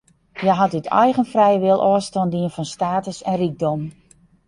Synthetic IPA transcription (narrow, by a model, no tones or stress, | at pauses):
jɛjɦatɪtʰɛ̰jɣənfrɛjəʋɪlˠʔɔəstɔndiənfɔnstaːtəsɛnriɡ̚dɔm